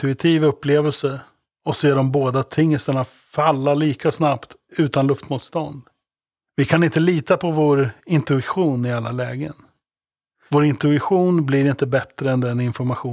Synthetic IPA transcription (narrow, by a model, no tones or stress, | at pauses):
t̪ɵɪt̪ʰiːvɵpːleːvəlsə | ɔseːɖɔmboːd̪at̪ʰɪŋːəst̪əɳa | falːaɭiːkʰasnapt̪ʉ̟ːt̪anlɵft̪muːt̪st̪ɔnd̪ | vɪkʰanɪnt̪əliːt̪apʰɔvoːɾɪnt̪ɵɪɧuːnɪalːalɛːɡə̰n | voːɾɪnt̪ɵɪɧuːnblɪɾɪnt̪əbɛt̪ɾəɛnd̪ɛnɪnfɔɾmaɧuː